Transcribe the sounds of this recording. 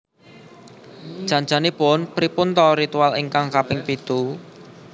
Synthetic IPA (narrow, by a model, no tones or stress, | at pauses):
d̥ʒ̥a̤nd͡ʒanipʊnpɾipʊnt̪ɔɾit̪ualiŋkaŋkapɪŋpit̪u